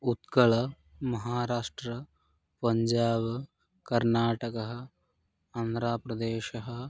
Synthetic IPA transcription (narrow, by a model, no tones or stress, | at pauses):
ut̪kɐɭɐ | mɐɦaːɾaːʂʈɾɐ | pɐɲd͡ʒaːb | kɐɾnaːʈɐkɐɦɐ̆ | ɐnd̪ɾaːpɾɐd̪eːʃɐɦɐ̆